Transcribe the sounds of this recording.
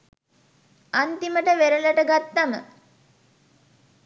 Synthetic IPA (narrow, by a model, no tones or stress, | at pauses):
ant̪iməʈəʋeɾələʈəɡat̪ːamə̰